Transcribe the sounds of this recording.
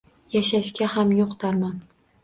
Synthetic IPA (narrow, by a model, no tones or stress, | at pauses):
jaʃaʃkʲahamjoqt̪ʰaɾman